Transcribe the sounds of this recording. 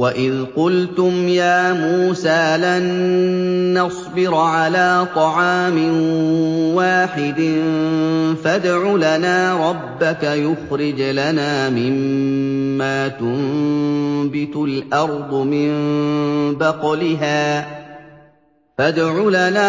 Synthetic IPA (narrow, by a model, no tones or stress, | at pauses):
waʔɪðqʊlt̪ʊmjaːmuːsaːlanː | ɑsˤbɪɾʕalaːt̪ˤɑʕɑːmɪnwaːħɪd̪ɪ | fad̪ʕʊlanaːɾˤɑbːakajʊxɾɪd͡ʒlanaːmɪmː | aːt̪ʊm | bɪt̪lʔɑɾˤd̪ˤʊmɪmm | bɑqɑlɪɦaː | fad̪ʕʊlanaː